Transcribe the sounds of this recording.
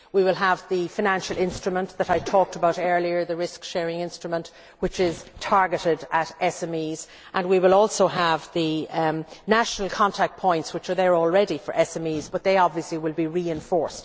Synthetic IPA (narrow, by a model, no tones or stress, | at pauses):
wiwɪlˠəvðɨfaɪnæ̃nʃəl̩ɪ̃nstɹ̥ɨmə̃nðəɾaɪ̥tʰɔːk̚təbaʊɾɜ˞liə˞ðəɹɪskʃɛɹɪ̃ŋɪ̃nstɹ̥əmə̃nʔ | wɪt͡ʃɪz̥tʰaɹɡɨɾɪdəɾɛsɛ̃miːz | ʔə̃nwiwɪlɔlˠsoʊəvðɨ | naʃənəlˠkʰɑ̃ntʰak̚t̚pʰɔ̃ɪ̃ntswɪt͡ʃə˞ðə˞ɔlˠɹɛɾifə̰˞ʔɛsɛ̃miːzbʌt̪̚ðeɪɑbviəsliwɪlˠbiɹiɪ̃ɱfɔɹst